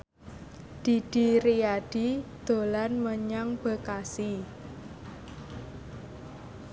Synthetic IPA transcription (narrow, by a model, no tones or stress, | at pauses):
d̪̥i̤d̪̥i̤ɾiaɖ̥id̪̥o̤lanməɲaŋb̥ə̤kasi